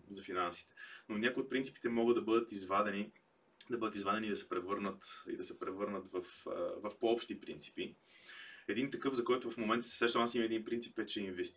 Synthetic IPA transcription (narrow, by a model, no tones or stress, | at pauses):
zɐfinansi̥t̪ɛ̥nonʲakʊiot̪̚pɾint̪si̥pi̥t̪ɛmɔɡəd̪ɐbɤd̪ət̪izvad̪ɛni | d̪ɐbɤd̪ət̪izvad̪ɛnid̪ɐsɛ̥pɾɛvɤɾnət̪ḭd̪ɐsɛpɾɛvɤɾnət̪vəfvɐfpoɔpʃt̪ipɾḭnt̪si̥pi | ɛd̪int̪ɐkɤvzɐkɔjt̪ʊvɐfmomɛnt̪əsɛsɛʃt̪omnasimɐɛd̪inpɾint̪sipɛt͡ʃɛinvɛst̪